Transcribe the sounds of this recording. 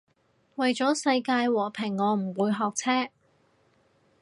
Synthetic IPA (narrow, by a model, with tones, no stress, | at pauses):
wɐ˨jt͡sɔː˨˥sɐ˧jkaː˧jwɔː˨˩pʰɪ˨˩ŋːɔː˨˧m̩˨˩wuː˨˧jɦɔː˨k̚t͡sʰɛː˥